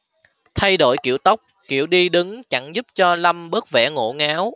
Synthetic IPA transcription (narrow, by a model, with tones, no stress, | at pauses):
t̪ʰa˧jɗo̰˧˩jkḭ˧˩əwt̪ə˦˥wk͡p̚kḭ˧˩əwɗi˧ɗɨ˨˦ŋt͡ɕa˧˥ŋzu˦˥p̚t͡ɕɔ˧la˧mɓəː˦˥k̚vɛ̰˧˥ŋo̰˧˩˥ŋaː˨˦w